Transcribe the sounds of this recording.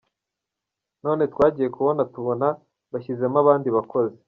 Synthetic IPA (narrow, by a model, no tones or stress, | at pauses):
no̞ːne̞tkwaːɟiːje̞kuβo̞natuβo̞na | βaçize̞maβaːndiβako̞ze